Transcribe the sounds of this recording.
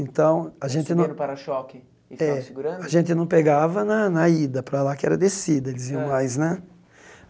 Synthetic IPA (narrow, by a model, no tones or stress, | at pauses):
ẽt̪ɐ̃w̃aʒẽnt̪ɪnɐ̃ʊpaɾɐʃɔkɪ | ɪfɛsɪɡuɾɐ̃aʒẽnt̪ɪnɐ̃w̃peɡavɐnɐnɐid̪ɐpɾalakɪɛɾɐd̪esid̪ɐelɪziɐ̃w̃majznɛ